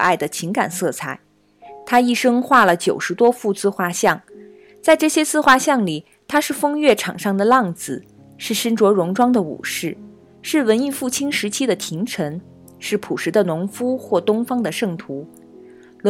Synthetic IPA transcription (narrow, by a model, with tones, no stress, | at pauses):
a˥˩ɪd̪ə˩t͡ɕʰi˧˥ŋka˨˩nsɤ˥˩t͡sʰa˥˩ɪ | t̪ʰa˥i˥˩ʂɤ˥ŋxwa˥˩lə˩t͡ɕjo˨˩ʊʂɻ̩˧˥t̪wɔ˥fu˥˧t͡sɹ̩˥xwa˥ɕjɑ˥˩ŋ | t͡sa˥˧ɪʈ͡ʂɤ˥˩ɕjɛ˥t͡sɹ̩˥xwa˥˧ɕjɑ˥˩ŋli˨˩ | t̪ʰa˥ʂɻ̩˥˩fɤ˥ŋɥɛ˥˩ʈ͡ʂʰɑ˨˩ŋʂɑ˥˩ŋd̪ə˩lɑ˥˩ŋd͡zɹ̩˨˩ | ʂɻ̩˥˩ʂə˥nʈ͡ʂwɔ˧˥ɻʊ˧˥ŋʈ͡ʂwɑ˥ŋd̪ə˨ṵ˨˩ʂɻ̩˥˩ | ʂɻ̩˥˩wə˧˥ni˥˧fu˥˩t͡ɕʰi˥nʂɻ̩˧˥t͡ɕʰi˥d̪ə˨t̪ʰi˧˥ŋʈ͡ʂʰə˧˥n | ʂɻ̩˥˩pʰu˨˩ʂɻ̩˧˥d̪ə˧nʊ˧˥ŋfu˥xwɔ˥˩t̪ʊ˥ŋfɑ˥ŋd̪ə˨ʂɤ˥˩ŋt̪ʰu˧˥ | lʊ˧˥